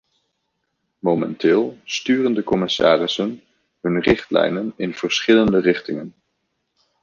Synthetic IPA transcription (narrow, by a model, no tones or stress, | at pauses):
mowmɛ̰ntɪːlˠstyːrəndəkɔmɪsa̰ːrɪsən | ɦɵnrɪχtlɛ̰jnənɪnv̥əɹsχɪləndərɪχtɪŋən